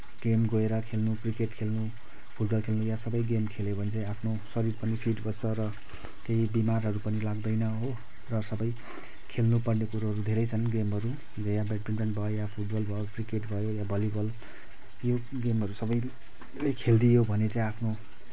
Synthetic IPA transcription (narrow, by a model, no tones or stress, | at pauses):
ɡ̥emɡoeɾʌkʰelnukrikeʈkʰelnu | pʰuʈ̚bʌlkʰelnujasʌbʌjɡemkʰelebʌnit͡saĩapʰno | sʌɾirpʌnipʰiʈbʱʌʌɾʌ | keɦibimarɦʌɾupʌnilaɡd̪ʌjnʌɦo | rʌsʌbʌj | kʰelnupʌrnekuɾaɦʌɾud̪ʱeɾʌjt͡sʰʌnɡemɦʌɾu | d͡zʌjabeʈpinreɳʈbʱʌjojapʰuʈ̚bʌlbʱʌjokrikeʈbʱʌjojabʱʌlibʌl | jo | ɡemɦʌɾusʌbʌj | lekʰeld̪ijobʱʌnet͡saĩapʰno